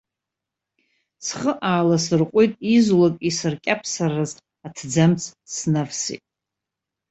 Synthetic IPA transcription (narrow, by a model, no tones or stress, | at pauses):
sχəʔaːlasɨrqʷʼujtʼizlakʼisɨrkʲʼapʰsaraz | atʰd͡zamt͡sʰsnavsḭtʼ